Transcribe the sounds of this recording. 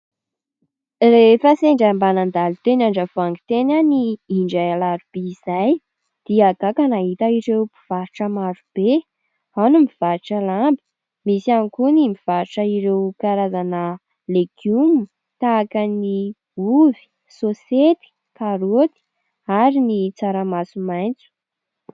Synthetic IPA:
refəseɳɖ͡ʐambanand̪alit̪enaɳɖ͡ʐəv̥aŋɡit̪enaniiɳɖ͡ʐajalaɾub̥eizaj | d̪̥iaɡakənaɦit̪əiɾewpi̥v̥aɾʈ͡ʂəmaɾub̥e | anumiv̥aɾiʈ͡ʂəlambi̥ | misanikunimiv̥aɾʈ͡ʂəiɾewkaɾazanə | leɡjumu | t̪aːkəni | uvi̥ | soset̪i̥ | kaɾot̪i̥ | aɾinit͡saɾamasumajnt͡su̥

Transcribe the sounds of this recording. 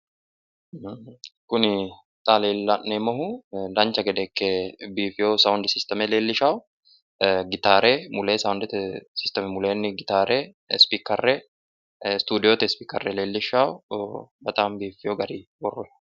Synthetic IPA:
kʊnɪ | t̪ʼaːleːlːɐnːemɔɦʊd̪ɐnt͡ʃːɐɡɛd̪ɛːkːebiːfɪjosɐʊnd̪ɪsɪst̪ɐmɛle̞ːlːɪʃaːwʊ | ɡɪt̪aːɾɛmʊleːsɐʊnd̪ɪt̪ɛsɪst̪ɐmɛmʊleːnːɪɡɪt̪aːɾɛ | spiːkːɐrːɛ | st̪uːd̪ɪjot̪ɛspiːkɐ̰rːɛleːlːɪʃːaːwʊbɐt̪ʼaːmbiːfːɪjoɡɐɾiwɔrːʊ

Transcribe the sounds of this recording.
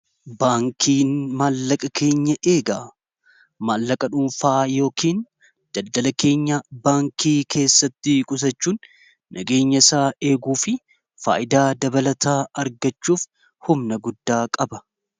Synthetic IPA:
baːŋkʰiːnmaːlːɐkʼɐkʰe̞ːɲːɐʔe̞ːɡaː | maːlːɐkʼɐᶑʊmfaːjo̞ːkiːn | d̪̥ɐld̪ɐlɐke̞ːɲːabaːŋkiːkʰe̞ːsːɐt̪ːɪkʼʊs̬ɐt͡ʃːuːnː | ʔɐ̰ɡe̞ːɲːɐɪsaːe̞ːɡuːfɪ | fa̰ːʔɪd̪aːd̪ɐbɐlɐt̪ʰaːɐɾɡɐt͡ʃːuːf | hʊmnɐɡʊd̪ːaːkʼɐbɐ

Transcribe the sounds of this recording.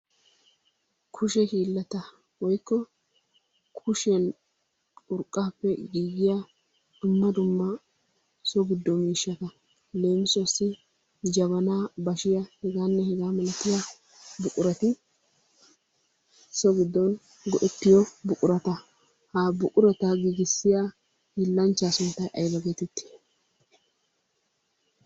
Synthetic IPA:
kʰʊʃɛhiːlːɐt̪ɐ | wɔjkːɔ | kʰʊʃɛn | ʊɾkʼːaːpːɛɡiːɡɪja | dʊmːɐd̪ʊmːɐ | sɔɡɪd̪ːɔmiːʃːɐt̪ɐ | le̞ːmɪsɔsɪ | d͡ʒɐβɐnaːbɐʃɪjɐhɛɡaːnːɛhɛɡaːmɐlɐt̪ːɪja | bʊkʼʊɾɐt̪ɪ | sɔɡɪd̪ːɔn | ɡɔʔɛt̪ːɪjɔbʊkʼʊɾɐt̪ɐ | haːbʊʔʼʊɾɛt̪ɐɡiːɡɪsːɪja | hɪlːɐnt͡ʃːaːsʊnt̪ːɐjʔɐjbɐɡeːt̪ɪt̪ʰːɪ̥

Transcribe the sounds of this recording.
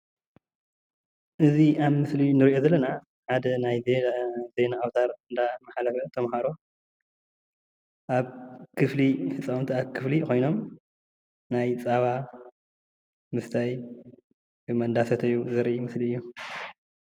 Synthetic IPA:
ʔɨziaβmɨslinɨɾiʔo̞zɐlːɐna | ħad̪ɐnajzeze̞jnaːwt̪ʰaɾɨnd̪amaħalɐfɐt̪ʰɐmhaɾo̞ | ʔaβkʰɨflifɨt͡sʼːawnt̪ʰiaβkʰɨflikʰo̞jno̞m | najt͡sʼaβa | mɨft̪ʰaj | ɨmɐnd̪asɐt̪ʰɨjuzɨɾʔimɨsliɨjːu

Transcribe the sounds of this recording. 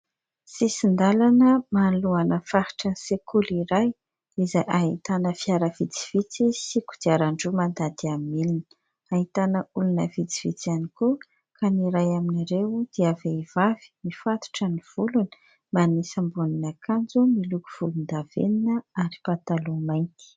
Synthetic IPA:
sisind̪alanəmaluanəfahi̥ʈ͡ʂənisekʰuliɾaj | izajʔaɦit̪anəfiaɾəvit͡si̥v̥it͡sisiku̥d̪iaɾaɳɖ͡ʐumand̪ad̪iamilinə̥ | aɦit̪anəulunəvit͡si̥v̥it͡sianiku | kʰaniɾajaminiɾewd̪̥iaveiv̥avi̥mifat̪u̥ʈ͡ʂəniv̥ulunə̥ | manisəmbuninakʰand͡zumilukuv̥ulund̪av̥ḛninəaɾipat̪alumajnt̪i̥

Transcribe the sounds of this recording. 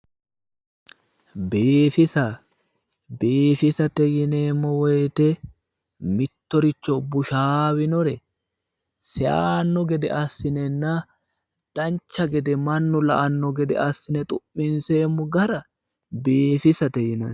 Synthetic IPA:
beːfɪsɐ | beːfɪsɐt̪ɛjɪne̞ːmːɔwɔjt̪ɛ | mɪt̪ːɔɾɪt͡ʃːɔbʊʃaːwɪnɔɾɛ | sɛaːnːɔɡɛd̪ɛʔɐsːɪnɛnːɐ | d̪̥ɐnt͡ʃːɐɡɛd̪ɛmɐnːʊlɐʔɐnːɔɡɛd̪ɛ̰ɐsːɪnɛt̪ʼʊʔːɪnse̞ːmːɔɡɐɾɐ | beːfɪsɐt̪ɛjɪnɐn

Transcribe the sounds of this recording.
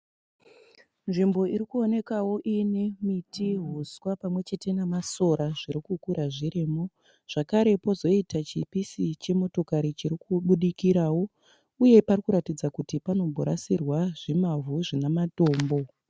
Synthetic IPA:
nʐimbo̞iɾikuone̞kawo̞ʔinemitʰiɦuswapamwe̞t͡ʃe̞te̞namaso̞ɾaʐiɾikukuɾaʐiɾimo | ʐ̥akaɾe̞po̞zo̞itat͡ʃipisit͡ʃe̞mo̞to̞kaɾit͡ʃiɾikuɓuɗikiɾawo̞ | uje̞parikuɾatid͡zakutipano̞mbʱoɾasirwaʐimavuʐinamato̞ːmbo̞

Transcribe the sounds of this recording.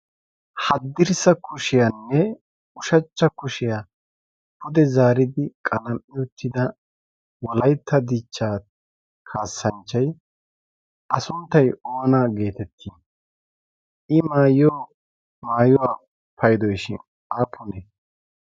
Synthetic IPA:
hɐd̪ːɪɾsɐkʰʊʃɪjanːɛ | ʊʃɐt͡ʃːɐkʊʃɪja | pʰʊd̪ɛzaːɾɪd̪ɪkʼɐlɐmːɪʊt̪ʰːɪd̪ɐ | wɔlɐjt̪ːɐd̪it͡ʃːaː | kʰaːsːɐnt͡ʃːɐj | ʔɐsʊnt̪ːɐjoːnaːɡe̞ːt̪ɛt̪ʰːiːn | ʔɪmaːjoː | maːjɔwaː | pʰɐjd̪ɔjʃɪ̰n | aːpʰʊnɛ

